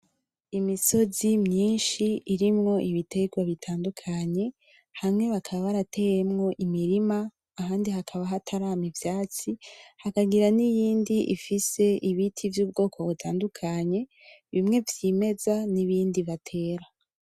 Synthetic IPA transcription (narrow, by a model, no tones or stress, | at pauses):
imiso̞zimɲiːnʃiːɾimŋo̞ʔiβite̞ɡwaβitʰaːndukʰaɲe̞ | hamŋe̞βakʰaβaβaɾate̞je̞mŋo̞ʔimiɾimaː | ɦaːndiɦakʰaβaɦatʰaɾaːmivjaːt͡sihakaɡiɾanijiːndiʔḭfise̞ʔiβitʰivjuːb̚ɡo̞ːkʰo̞βutʰaːndukʰaɲe̞ | βimŋe̞vjime̞zaniβiːndiβatʰe̞ːɾa